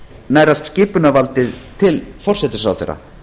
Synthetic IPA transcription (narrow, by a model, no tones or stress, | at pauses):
naːjɾal̥t̪scɪːpʏnavalt̪ɪðt̪ʰɪlfɔr̥sɛt̪ɪsawθɛ̰jra̰